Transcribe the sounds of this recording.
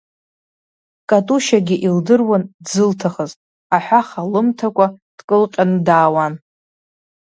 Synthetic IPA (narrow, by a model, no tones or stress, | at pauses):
kʼatʼuʃaɡʲiʔildɨrwandzɨltʰaχəzʼ | aħʷᶣaχalɨmtʰakʷʼad̥kʼɨlqʲʼanɨdaːwan